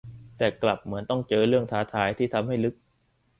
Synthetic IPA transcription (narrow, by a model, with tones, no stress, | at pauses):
t̪ɛː˨˩kla˨˩p̚mɯ˩˦ənt̪ɔ˥˩ŋt͡ɕɤː˧ɾɯ˥˩əŋt̪ʰaː˦˥t̪ʰaː˦˥jt̪ʰiː˥˩t̪ʰa˧mɦa˥˩jlɯ˦˥k̚